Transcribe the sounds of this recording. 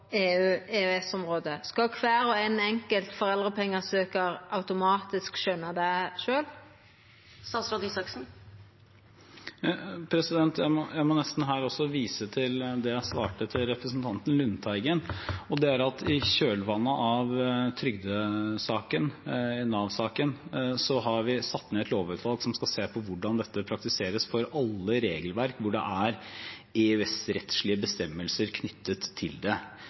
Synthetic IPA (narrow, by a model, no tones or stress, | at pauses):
eːʉːeːʉɛsɔmʁoːd̪əskɑkʰʋæːɾɔæɪnɛŋkəlt̪fɔʁɛld̪ʁəpʰɛŋːəsøːkəɾɑʉt̪ʊmɑːt̪ɪskʃœnːəd̪ɛʃøːl | sɑːsɾɑd̪isɑksn̩ | pʰɾɛsɪd̪ɛnt̪jæɪmɔjæɪmɔnɛst̪n̩ɦæːɾɔsːɔʋiːsət̪ʰɪld̪ɛjæɪsʋɑ̰ːʈət̪ʰɪlɾɛpɾəsn̩t̪ʰɑnt̪ənlʉnːt̪ʰæɪɡənɔd̪ɛæɾɑt̪ʰɪɕøːlʋɑnːəʔɑʋt̪ʰɾʏɡd̪əsɑːkənɛnɑʋsɑːkənsɔɦɑɾʋɪsɑt̪ːneːɛt̪ʰloːʋʉːt̪ʋɑlɡsɔmskɑseːpʰɔʋʊɖɑnd̪ɛt̪ːəpʰɾɑkt̪ɪseːɾəsfɔɾɑlːəɾeːɡəlʋæɾkʋʊɖɛ̰ʔæɾ | ɛʉɛsɾɛt̪ʂɭɪəbəst̪ɛmːəlsəɾkʰnʏt̪ʰːət̪ʰːɪld̪ɛ